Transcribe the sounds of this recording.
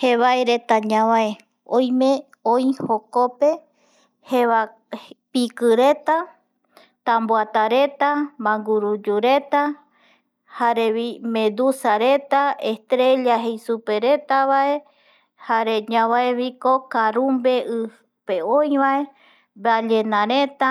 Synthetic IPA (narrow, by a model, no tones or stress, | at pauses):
heβaeɾe̞t̪aɲãβae | õj̃mẽ | ojhokope̞ | hea | pikɨɾe̞t̪a | t̪ãmboat̪aɾet̪amãŋɡuɾud͡ʒuɾet̪a | haɾeβimẽd̪usaɾet̪aest̪ɾe̞ʎaɦejsupe̞ɾe̞t̪aβae̞ | haɾeɲãβaeβikokaɾumbe̞ɨ | peõjβae̞ | βaʎenãɾe̞t̪a